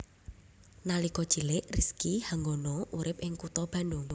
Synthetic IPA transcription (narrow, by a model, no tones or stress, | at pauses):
nalikɔd̥ʒ̥i̤lɪʔriskihaŋɡonɔʔuɾɪp̚ʔɪŋkut̪ɔb̥a̤ndʊŋ